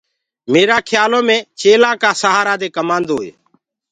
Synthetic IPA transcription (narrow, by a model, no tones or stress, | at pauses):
meːɾaːkʰɪjaːlõːmẽːt͡ʃeːlãːkaːsaɦaːɾaːd̪eːkəmãːnd̪oːḛː